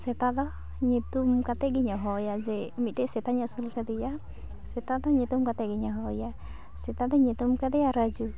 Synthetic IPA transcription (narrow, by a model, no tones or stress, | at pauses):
sɛt̪ad̪ɔ | ɲit̪umkat̪ɛɡiɲaɦɔjazɛmitesɛt̪aɲasulkad̪ija | sɛt̪ad̪ɔɲit̪umkat̪ɛɡiɲaɦɔja | sɛt̪ad̪ɔɲit̪umkad̪ijaɾad͡ʒu